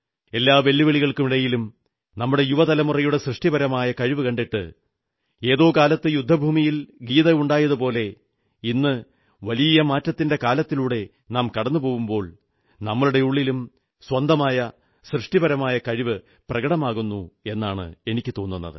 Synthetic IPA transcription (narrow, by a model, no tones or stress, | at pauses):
e̞lːaːʋe̞lːiʋeɭiɣɐɭkumiɽɐjilum | nɐmːuɽe̞juʋɐt̪ɐlɐmurɐjuɽe̞srɨʂʈibɐɾɐmaːjɐkɐɻiʋɨkɐɳɖiʈːɨ̰ | e̞ːðo̞ːkaːlɐt̪ːɨjud̪ʱːɐbʱuːmijilɡiːðɐuɳɖaːjɐðupo̞ːle̞ | inːɨ | ʋɐlijɐmaːtːɐt̪ːinde̞kaːlɐt̪ːiluːɽe̞ | naːmkɐɽɐnːɨpo̞ːʋumbo̞ːɭ | nɐmːɐɭuɽe̞uɭːilum | swɐnd̪ʱɐmaːjɐ | srɨʂʈibɐɾɐmaːjɐkɐɻiʋɨ | prɐɣɐɽɐmaːɣunːue̞nːaːɳɨ̰e̞nikʲːɨt̪o̞ːnːunːɐ̰ðɨ̰